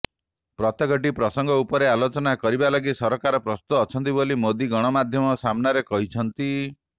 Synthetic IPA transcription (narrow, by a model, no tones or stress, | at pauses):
pɾɔt̪ɔɡɔʈ̬ipɾɔsɔŋɡɔupɔɾealot͡ʃɔnakɔɾibalɔɡisɔɾɔkaɾɔpɾɔst̪uːt͡ʃʰɔnt̪ibolimod̪iɡɔɽ̃ɔmad̪ʱjɔmɔsamnaɾekɔɦit͡ʃʰɔnt̪i